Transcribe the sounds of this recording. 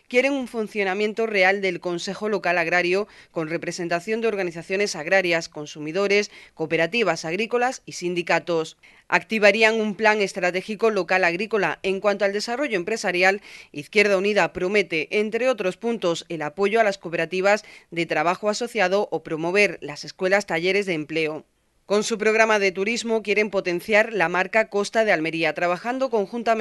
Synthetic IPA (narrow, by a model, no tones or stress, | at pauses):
kje̞ɾe̞ŋuɱfun̟θjo̞nãmje̞nt̪o̞re̞ald̪e̞lko̞nse̞xo̞lo̞kalaɣ̞ɾaɾjo̞ko̞nre̞pɾe̞se̞nt̪aθjo̞nd̪eo̞ɾɣaniθaθjo̞ne̞saɣɾaɾjasko̞nsumiðo̞ɾe̞sko̞pe̞ɾat̪iβ̞asaɣɾiko̞lasisind̪ikat̪o̞s | a̰k̚t̪iβ̞aɾiaŋumplaŋe̞st̪ɾat̪e̞xiko̞lo̞kalaɣɾiko̞laeŋkwant̪oald̪e̞saro̞ʝo̞empɾe̞saɾjaliθkje̞ɾð̞auniðapɾo̞me̞t̪e̞ʔent̪ɾe̞o̞t̪ɾo̞spunt̪o̞se̞lapo̞ʝoalasko̞pe̞ɾat̪iβ̞azðe̞t̪ɾaβ̞axoaso̞θjað̞o̞ʔopɾo̞mo̞β̞e̞ɾlase̞skwe̞last̪aʝe̞ɾe̞zðeːmple̞o | ko̞nsupɾo̞ɣ̞ɾamaðe̞t̪uɾizmo̞kje̞ɾe̞mpo̞t̪ẽ̞n̟θjaɾlamaɾkako̞st̪að̞e̞alme̞ɾiat̪ɾaβ̞axand̪o̞ko̞ŋxunt̪a